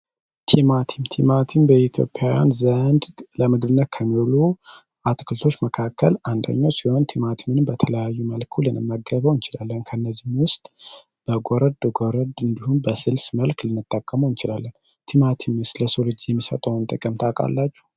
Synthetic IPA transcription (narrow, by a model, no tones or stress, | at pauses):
t̪ʰimat̪ʰimt̪ʰimat̪ʰimbəit̪ʰjo̞̰pʼjawja̰nzənd̪ləmɨɡɨβɨnːət̪̚kʰəmːilu | ʔat̪ʰʼkʰɨlt̪ʰo̞t͡ʃːməkʰakːəland̪ə̰ɲːawsiho̞nt̪ʰimat̪ʰimɨnɨmbət̪ʰələjajːuməlkʰulɨnɨmːəɡəβəwɨnt͡ʃɪla̰lːənkʰənːəzːinwʊst̪ʼ | b̥əɡoɾəd̪ɡoɾəd̪ɨnd̪ihunbəsɨlsməlklɨnːɨt̪ʼːəkʼːəməwɨnt͡ʃɪlalːən | t̪ʰimat̪ʰimʊst̪ləsolɨd͡ʒijɛmːisə̰t̪ʼəwnt̪ʼɨkʼəmt̪ʰakʼa̰lːat͡ʃːu̥h